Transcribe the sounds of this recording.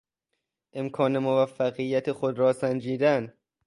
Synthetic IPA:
ʔe̞mkʰɒːne̞movæfːæɣijːæt̪ʰexod̪ɾɒːsænd͡ʒiːd̪æn

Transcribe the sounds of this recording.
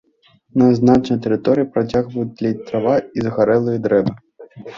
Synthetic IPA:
nɐznat͡ʃnɐjt̪ɛɾɪt̪ɔɾʲiipɾɐt͡sʲaɣʋɐjud̪lʲɐt̪ɾaʋaizɐɣaɾɛlˠɨjid̪ɾɛbɨ

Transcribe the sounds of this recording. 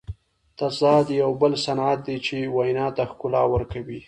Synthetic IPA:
t̪asd̪ɑd̪jawbəlsanat̪̚d̪et͡ʃewajnɑt̪axkʊlɑwəɾkawi

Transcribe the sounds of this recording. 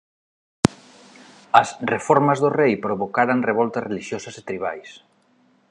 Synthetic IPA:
ɐsrefɔɾmɐzðorejpɾoβokaɾaŋreβ̞ɔlt̪ɐreliʃjosɐset̪ɾiβ̞a̰js

